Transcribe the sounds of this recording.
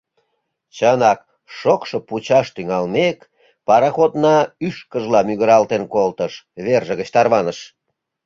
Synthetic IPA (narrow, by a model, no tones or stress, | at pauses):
t͡ɕənɑk̚ | ʃokʃoput͡ɕɑʃt̪yŋɑlmek | pɑɾɑxot̪nɑyʃkəʒlɑmyɣəɾɑlt̪enkolt̪əʃβerʒə̆ɣət͡ɕt̪ɑrβɑnəʃ